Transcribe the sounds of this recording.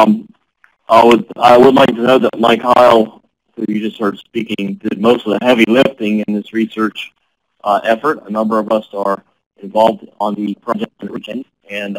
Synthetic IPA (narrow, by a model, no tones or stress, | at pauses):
ʔaɪwəda̰ɪwədˡlaɪk̚tɨnoʊðət̚maɪkʰaɪlˠ | hujɨd͡ʒʌst̚hɜ˞d̥spikɪ̃ŋdɪd̚moʊstʌvðɨɦɛvilɪftɪ̃ŋɨ̃nðɪsɹisɜ˞t͡ʃ | ʔʔɛfə˞ɾə̰nʌ̃mbə˞ʌvʌsə˞ | ɨ̃ɱvɑlˠvdn̩ðɨpʰɹ̥ɑd͡ʒɛk̚tɨ̃nʔɹikʰɛ̃nd | ɨ̃n